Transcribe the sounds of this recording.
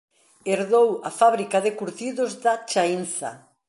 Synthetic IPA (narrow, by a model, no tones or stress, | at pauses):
eɾðowafaβɾikaðekuɾtiðozðat͡ʃainθa̰